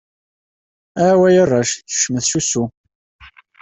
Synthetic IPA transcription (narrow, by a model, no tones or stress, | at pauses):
æʕwæjərˤːɑʃθə̥ʃməθʃusu